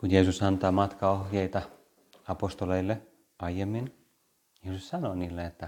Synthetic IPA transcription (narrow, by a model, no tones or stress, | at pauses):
kunjeːsusɑnt̪ɑːmɑt̪kɑohjeit̪ɑ | ɑpost̪oleilːe | ɑijemːin | jeːsussɑnoːniːlːeet̪ːæ